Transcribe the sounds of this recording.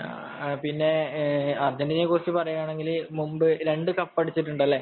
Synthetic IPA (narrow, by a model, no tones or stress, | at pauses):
pinːe̞ɐrd͡ʑendinekurɐt͡ɕːɨpɐrɐjuaːɳe̞ŋɡilmumbɨɾe̞ɳɖɨkɐpːɐɽit͡ɕːiʈːuɳɖɐlːe̞ː